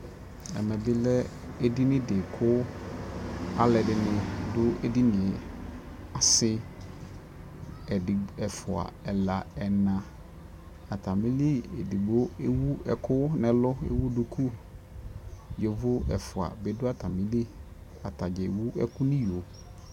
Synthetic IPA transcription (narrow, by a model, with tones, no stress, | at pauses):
ɛ̰˨mɛ̃˨bɪ˦lɛ˦ | e˦di˦nɪ̃˦dɪ˨kʰʊ˦ | a˨lɛ˨dɪ˨nʊ̃˦dʊ˦e˦di˦nɪ̃˨ɛ˨ | a˨sɪ˦ | ɛ˨di˨ɛ˨fʊ˨a̰˨ɛ˨la˨ɛ˨nã˨ | a˨tʰa˨mĩ˦li˦e˨di˨bo˦e˦wu˦ɛ˨kʰʊ˦nɪ̃˨lʊ˦ḛ˦wu˦dʊ˨kʰu˦ | jo˨vʊ˦ɛ̰˨fʊ˨a̰˨be˨dʊ˦a˦tʰa˨mĩ˦li˦ | a˨tʰa˨d͡ʒɛ˨wu˦ɛ̰˦kʰʊ˦nĩ˦jo˨